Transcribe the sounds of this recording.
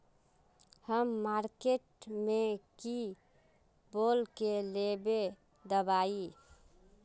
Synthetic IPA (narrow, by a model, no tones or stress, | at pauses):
həmːaɾkeʈmeki | bolkelebe | d̪əbai